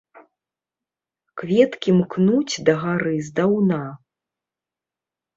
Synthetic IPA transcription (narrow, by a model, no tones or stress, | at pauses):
kvʲɛt̪kʲimknut͡sʲd̪ɐɣaɾɨzd̪awna